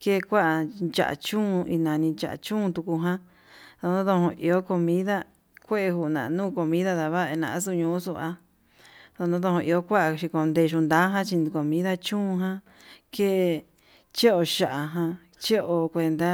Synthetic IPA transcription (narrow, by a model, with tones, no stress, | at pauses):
ke˦˧kʷa˦a˧t͡ʃa̰˨a̰˨t͡ʃũː˦˧i˧nã˧nĩ˧t͡ʃa̰˧ʔa̰˧t͡ʃũ˦˧t̪u˧ku˧ɦã˦ | ðo˧nõ˦ðo˧hõ˧ʔi˧o˦ko˧mĩ˦ða˦ | kʷe˦e˧hu˧˨nã̰˨˧nũː˦˨ko˧mĩ˦ða˦ða˧βa˦˨e˧nã˧ʔa˦s̬u˦˧ɲũː˧˦su˧a˧ | ðo˧nõ˦ðo˧hõ˧ʔi˧o˦kʷa˦ʔa˧ʃi˧ko˧nd̪e˧ʃ̬u˧nd̪a˦ɦã˦t͡ʃi˧n˧ko˧mĩ˦ða˦t͡ʃũː˦˧ɦã˧ | ke˦˧ | t͡ʃe˦o˧ʃa˨ʔa˧ɦã˧ | t͡ʃe˦ʔo˧kʷe˧nd̪a˦